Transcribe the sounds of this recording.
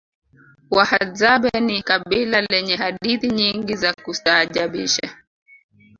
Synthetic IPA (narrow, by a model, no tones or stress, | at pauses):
wahazaɓɛnikaɓilalɛɲɛɦaɗiθiɲiŋɡizakusaːʄaɓḭʃa̰